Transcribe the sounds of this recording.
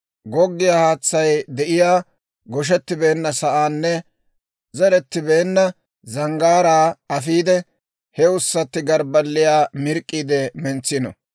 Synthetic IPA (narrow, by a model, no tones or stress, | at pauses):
ɡɔɡːɪjahaːt͡sːɐjd̪ɛʔɪjaː | ɡɔʃ̬ɛt̪ːɪbe̞ːnːɐsɐʔaːnːɛ | zɛɾɛt̪ːɪbe̞ːnːɐ | zɐŋɡaːɾaːɐfiːd̪ɛ | hɛʊsːɐt̪ːɪɡɐɾbɐlːɪjaːmɪɾkʼːiːd̪ɛmɛnt͡sːɪnɔ̰